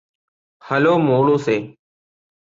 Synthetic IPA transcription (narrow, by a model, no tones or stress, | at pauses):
həloːmoːɽoːseː